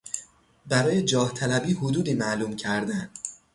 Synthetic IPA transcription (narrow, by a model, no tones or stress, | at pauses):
bæɾɒːje̞d͡ʒɒːht̪ʰælæbiːhod̪uːd̪iːmæʔluːmcʰæɾd̪æn